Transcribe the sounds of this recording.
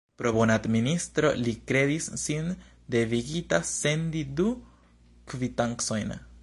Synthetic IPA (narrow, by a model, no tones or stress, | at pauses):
pɾo̞bo̞nad̪ministɾo̞̰likɾe̞disːin | de̞viɡitase̞ndidu | kvitaŋkso̞jn